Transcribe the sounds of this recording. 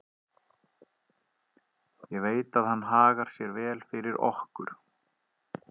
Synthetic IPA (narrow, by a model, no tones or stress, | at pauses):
jɛɣveːjt̪aðhanːɦaːɣaɾ̥sjɛɾvɛːlfɪɾɪɾɔ̰hkʏɾ̥